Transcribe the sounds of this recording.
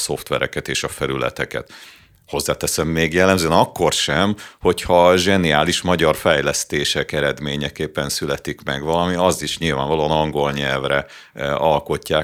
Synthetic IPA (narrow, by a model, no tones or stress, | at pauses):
so̞ft̪ʋɛ̰ɾɛ̰kɛt̪eːʃɒfɛɾylɛ̰t̪ɛkɛ̰t̪ | ho̞zːaːt̪ɛsɛmːeːɡjɛlːɛmzøɛnɒkːo̞rʃɛmho̞chɒʒɛniaːliʃmɒɟɒrfɛjlɛst̪eːʃɛkɛɾɛd̪meːɲɛkeːpːɛnsylɛt̪ikmɛɡʋɒlɒmiɒzt̪iʃɲilvaːɱvɒloɑnɒŋɡo̞lɲɛlvrɛɒlko̞cːaː